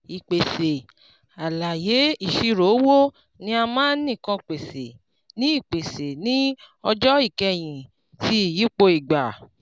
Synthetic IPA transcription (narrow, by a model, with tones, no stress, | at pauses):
i˨k͡pe˨se˨ | a˨la˨je˨˦i˦˨ʃi˧ɾo˨˦wo˦ | nĩ˧˦a˧mãː˦nĩ˦˨kã˧˨k͡pe˨se˨ | nĩ˦i˦˨k͡pe˨se˨nĩ˨˦ | ɔ˧d͡ʒɔ˦i˦˨kɛ˧j̃ĩ˨ | ti˦˨ji˨˦k͡po˧i˨ɡ͡ba˨